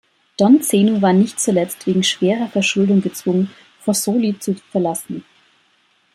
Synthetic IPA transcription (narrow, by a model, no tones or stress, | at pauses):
d̥ɔnt͡seːnovaːɐnɪçtt͡sulɛt͡stv̥eːɡŋ̩ʃv̥eːʁɐfɛɐʃʊldʊŋɡət͡sv̥ʊŋən | fɔsoːlit͡sufɛɐlasn̩